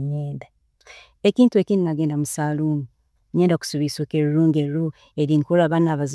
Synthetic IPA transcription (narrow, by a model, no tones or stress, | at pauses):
ɲeːnda | ekiːntue̞kininaɡe̞ːndamusaːluːŋɡi | ɲeːndaku̥suβisokeɾuɾuːŋɡeɾɾo | eɾiŋkulaβanaːβaz